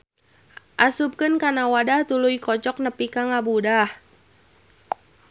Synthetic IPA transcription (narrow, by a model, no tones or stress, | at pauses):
ʔasup̚kɨnkanawadaht̪ulujkɔt͡ʃɔk̚nəpikaŋabudah